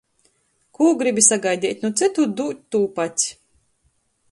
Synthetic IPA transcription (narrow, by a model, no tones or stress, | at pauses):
kuːɡɾibʲisaɡajd̪ʲɛːt̪ʲnut̪sɨt̪ud̪ut̪ːuːpat̪ʲsʲ